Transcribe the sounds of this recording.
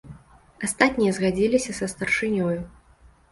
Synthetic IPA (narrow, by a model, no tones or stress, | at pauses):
ast̪at̪ʲnʲijɐzɣad͡zʲilʲisʲɐsɐst̪ɐrʂɨnʲɔju